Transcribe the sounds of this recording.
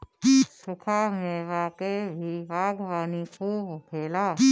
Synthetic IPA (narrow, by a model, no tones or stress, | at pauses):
sʊkʰaːmẽʋaːkebʱiʋaːɡʋaːnixʰuːbpʰeːlaː